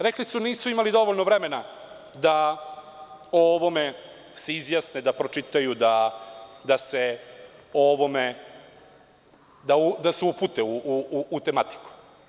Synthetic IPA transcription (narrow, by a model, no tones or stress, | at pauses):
ɾeklisuniːsuimalid̪o̞ʋoʎnoʋɾe̞me̞na | d̪a | oʋo̞me̞ | seizjaːsned̪apɾo̞t͡ʃit̪ajud̪a | d̪ase | oʋo̞me | d̪aud̪aseuput̪euːt̪e̞mat̪i̥ku̥